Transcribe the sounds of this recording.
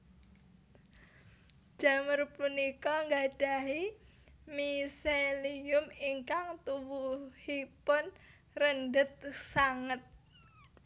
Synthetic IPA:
d͡ʒ̥a̤mərpunikɔŋɡaɖ̥a̤ɦi | miseliʊmiŋkaŋt̪uwuhipʊn | rəndət̪̚saŋət̪̚

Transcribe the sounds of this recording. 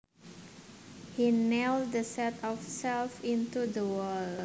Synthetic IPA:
hinɛl̚d̪əsɛt̪ʰɔfsɛlfĩnt̪udəwəl

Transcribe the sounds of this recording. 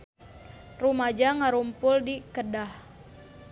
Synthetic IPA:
rumad͡ʒaŋaɾumpʊldikədah

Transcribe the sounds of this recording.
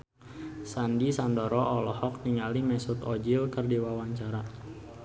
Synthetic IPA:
sandisandɔɾɔʔɔlɔhɔk̚niŋalimɛsut̪ɔd͡ʒilkərdiwawaɲt͡ʃaɾa

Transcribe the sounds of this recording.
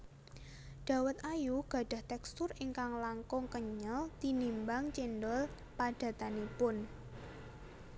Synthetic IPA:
ɖ̥a̤wət̪̚ajuɡ̥ä̤ɖ̥a̤ht̪ɛkst̪ʊriŋkaŋlaŋkʊŋkəɲəlt̪inimbaŋt͡ʃindɔl | paɖ̥ä̤t̪anipʊn

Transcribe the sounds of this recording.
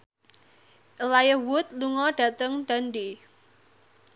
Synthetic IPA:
əlajəwʊt̪̚luŋɔɖ̥ä̤t̪əŋd̪̥a̤ndi

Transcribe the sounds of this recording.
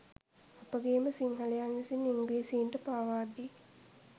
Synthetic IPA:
apəɡeːməsiŋɦalejanʋisinːiŋɡleːsiːɳʈəpaːʋaːd̪i

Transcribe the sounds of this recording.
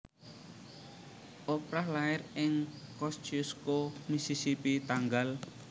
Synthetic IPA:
ʔopɾahlaɪrɪŋkɔst͡ʃuskomisisipit̪aŋɡal

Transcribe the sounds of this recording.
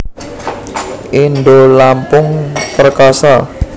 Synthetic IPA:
ʔinɖolampʊŋpərkasa

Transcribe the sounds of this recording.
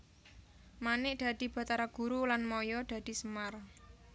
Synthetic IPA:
manɪʔd̪̥a̤d̪̥i̤b̥a̤t̪aɾaɡ̥uɾulanmɔjɔd̪̥ä̤d̪̥i̤səmar

